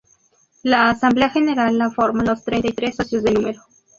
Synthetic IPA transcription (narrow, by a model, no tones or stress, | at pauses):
laːsamble̞axeneɾalːafoɾmanlost̪ɾejnt̪ajt̪ɾesːosjozðenũmeɾo